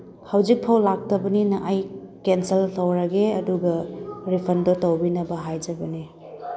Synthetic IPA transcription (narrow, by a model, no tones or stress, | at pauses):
hawd͡ʒik̚pʰawlak̚tɐbɐninɐʔajkenseltʰɐwɾɐɡeɐduɡɐɾipʰɐndotɐwbinɐbɐɦajd͡ʒɐbɐni